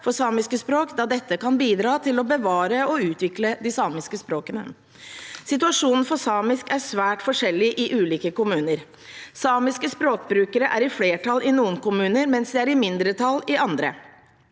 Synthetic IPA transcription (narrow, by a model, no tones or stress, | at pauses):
fɔsɑːmɪskəspɾoːkd̪ɑːd̪ɛt̪ːəkɑnbiːd̪ɾɑːt̪ʰɪlɔbəʋɑːɾəɔʉːt̪ʋɪkləd̪ɪsɑːmɪskəspɾoːkənə̰ | sɪt̪̬ʉɑʂuːnn̩fɔsɑːmɪskæʂʋæːʈfɔʂɛlːɪʔɪʔʉːliːkəkʊmʉːnəɾ | sɑːmɪskəspɾoːk̚bɾʉːkəɾəʔæɾɪfleːʈʰɑlʔɪnuːənkʊmʉːnəɾmɛnsd̪ɛæɾɪmɪnd̪ɾət̪ʰɑlɪʔɑnd̪ɾə̰